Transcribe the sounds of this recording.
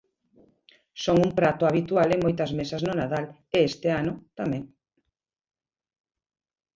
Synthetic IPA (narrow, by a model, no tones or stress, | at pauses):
soŋumpɾat̪ʊaβit̪ualemojt̪ɐzmesɐznʊnaðal | eest̪ɪanʊt̪amɛ̃ŋ